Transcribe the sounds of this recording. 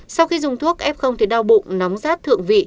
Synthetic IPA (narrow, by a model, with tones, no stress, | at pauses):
sa˧wxi˧zʊ˨˩ŋ͡mt̪ʰu˦˥ək̚ʔɛ˦˥p̚xə˧wŋ͡mt̪ʰi˨˩ɗa˧wɓṵ˧˨na˨˦wŋ͡mzaː˦˥t̚t̪ʰɨ̰˧˨əŋvḭ˧˨